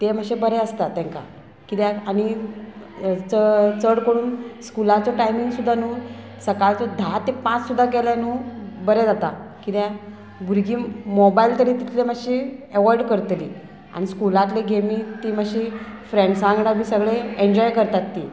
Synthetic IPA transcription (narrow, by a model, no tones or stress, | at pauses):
t̪eməɕebəɾeəst̪at̪ɛ̃ŋka̰ | kit̪jɛaɽ̃i | t͡sət͡səɽkəɽuːnskulat͡sɔʈajmiŋɡsud̪ʱːanuː | səkalt͡sɔd̪ʱat̪ːepãt͡ssud̪ʱːakeljanuːbəɾɛd͡zat̪akit̪ja | bʱuɾɡiːmɔbailt̪əɾit̪it̪ʰleməɕieʋaɾɖkəɾt̪liː | a̰ɽ̃iskulat̪leɡʱemiːt̪iməɕifɾẽɳɖsãŋɡɽ̃abʱiːsəɡɭeeɲd͡ʑɔjkəɾt̪at̪ːi